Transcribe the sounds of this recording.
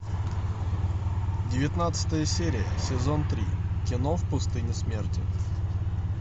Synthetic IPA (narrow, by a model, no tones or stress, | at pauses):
dʲɪvʲɪt̪nat̪sɨ̥t̪əjəsʲeɾʲɪjə̰sʲɪzont̪ɾʲḭkʲɪnofpʊst̪ɨnʲɪsmʲertʲɪ̰